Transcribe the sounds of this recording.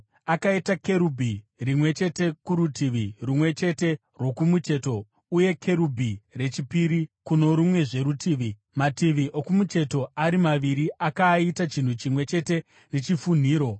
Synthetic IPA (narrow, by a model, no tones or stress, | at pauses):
akaitake̞ɾubʱirimwe̞t͡ʃe̞te̞kuɾutiʋirumwe̞t͡ʃe̞te̞ | rwo̞kumut͡ʃe̞to̞ | uje̞kʰe̞ɾubʱire̞t͡ʃipiɾikuno̞ɾumwe̞ʐe̞ɾutiːʋi | matiʋiʔokumut͡ʃe̞to̞aɾimaʋiɾiʔakaitat͡ʃin̤ut͡ʃimwe̞t͡ʃe̞te̞ | ne̞t͡ʃifun̤iːɾo̞